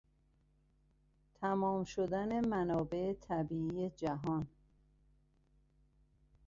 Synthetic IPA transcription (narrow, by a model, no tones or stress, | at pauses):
t̪ʰæmɒːmʃod̪æne̞mænɒːbe̞et̪ʰæbiːiːje̞d͡ʒæɦɒn